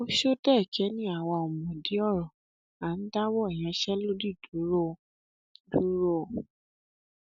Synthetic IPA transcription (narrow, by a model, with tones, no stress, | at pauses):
o˦ʃo˦tɛ˦˨kɛ˨˦nĩ˦a˦˨wɔ˧ɔ˨mɔ̃˨di˨˦ɔ˦˨ɾɔ˨ | a˨n̩˦da˦wɔ˦ɛ˨j̃ã˨˧˦ʃɛ˦lo˦di˦˨du˨˦ɾo˦˨ | du˨˦ɾo˦˨